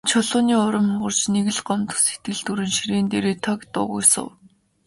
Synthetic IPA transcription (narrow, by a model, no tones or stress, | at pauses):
t͡ɕʰʊɮʊːniːʊɾɞ̆mɞ̆rt͡ɕneɣɘ̆ɮɢɔmt̪ə̆set̪̚ɡɘ̆ɮt̪uɾɘ̆nʃiɾeːnt̪eɾeːt̪ʰɔkt̪ʊ̰ːʁʊ̰jsʊ̰w